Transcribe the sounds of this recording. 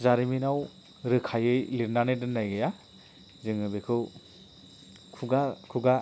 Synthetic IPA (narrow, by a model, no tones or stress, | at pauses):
zaɾiminaw | ɾɯkʰajɯjliɾnanɯjdɯnːajɡɯja | zɯŋɯbɯkʰɯw | kʰuɡakʰuɡa